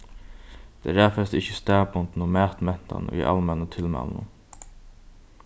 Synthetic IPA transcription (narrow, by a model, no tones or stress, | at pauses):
d̪̥ɛ̰ɾæːfɛst̪ɪçəst̪æːpʊnt̪n̩oːmæːt̪mɛn̥t̪a̰nḭʔa̰lmɛnət̪ʰɪlmɛ̰lnə̰